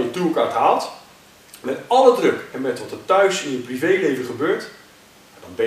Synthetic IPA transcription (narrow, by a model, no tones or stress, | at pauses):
ətukaːtɦaːlˠt | mɛtɑlədrɵkɛnmɛtʋɑtəɹtœɥsɪnət̚privejlejvəχəbøːɹt | adɑnbɛ